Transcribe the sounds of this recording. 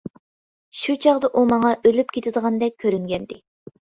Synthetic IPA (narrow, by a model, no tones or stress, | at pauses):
ʃut͡ʃʰɑʁd̪ɑʔumɑŋɑʔølypkʲʰet̪ʰɪd̪əʁɑnd̪ɛk̚ʲʰːøɾyŋɡʲɛnd̪ɪ